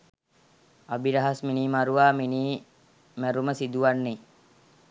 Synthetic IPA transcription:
abiɾaɦasminiːmaɾuʋaːminiː | mæɾuməsid̪uʋanːe

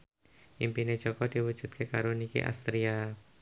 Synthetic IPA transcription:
ʔimpined͡ʒɔkɔdiwu̥d͡ʒut̪̚kʰekaɾunikḭʔa̰st̪ɾia

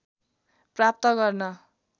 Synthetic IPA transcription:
prap̚t̪ʌɡʌrnʌ

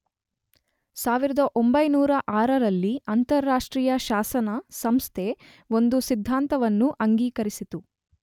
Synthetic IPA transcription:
saːʋiɾɐd̪ɐʔo̞mbɐjnuːɾɐʔaːɾɐɾɐlːiɐnt̪ɐɾːaːʂʈɾiːjɐʃaːsɐnɐsɐmst̪ʰe | o̞nd̪usid̪ʱːaːnt̪ɐʋɐnːuʔɐŋɡiːkɐɾisit̪u

